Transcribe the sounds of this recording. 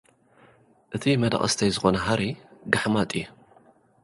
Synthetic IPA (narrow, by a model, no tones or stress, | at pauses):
ʔɨt̪ʰimɐd̪a̰χʼɐ̰st̪ʰɐjzɨxo̞nɐɦaɾiɡaħmat̪ʼiju